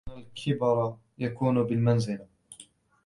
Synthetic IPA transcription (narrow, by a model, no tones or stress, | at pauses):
alkʰɪbɑɾˤ | jakuːnʊbɪlmanzɪla